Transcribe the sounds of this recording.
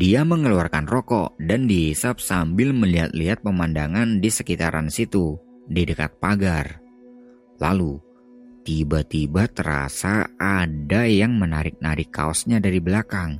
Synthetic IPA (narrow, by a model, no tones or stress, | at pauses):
diaməŋəluarkanrɔkɔ̰dandiɦisap̚sambɪlməliɦat̪̚liɦat̪̚pəmandaŋandisəkit̪aɾansit̪u | didəka̰t̪̚paɡar | la̰lu | t̪ibat̪ibat̪əɾa̰saadajaŋmənaɾɪk̚naɾɪkːa̰ɔsɲadaɾibəlakaŋ